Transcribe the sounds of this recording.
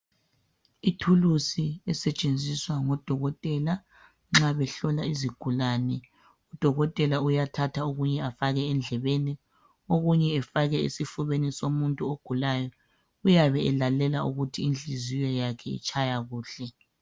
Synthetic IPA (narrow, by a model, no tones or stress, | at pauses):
itʰulusiɛsɛt͡ʃʼend͡zʱiswaŋɔd̥ʱɔɣɔtʼɛla | ŋ͡ǁaβɛɬɔlaiziɡ̥ʱulaːnɛ | ud̥ʱɔɣɔtʼɛlaujatʰatʰauɣuɲɛafaɣɛːnd͡ɮʱɛβeni | oɣuɲɛːfaɣɛḛsifuβenisomuntʼuoɡ̥ʱulajɔ | ujaβɛɛlalɛlauɣutʰiːnd͡ɮʱizijɔjakʰɛḭt͡ʃʰʼajaɣuːɬɛ